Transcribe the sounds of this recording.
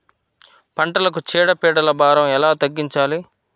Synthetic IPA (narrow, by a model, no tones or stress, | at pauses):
pɐɳʈɐlɐk̬ut͡ʃɛːɽɐpɛːɽɐlɐbaːɾɐmɛlaːt̪ɐɡːiɲt͡ʃaːli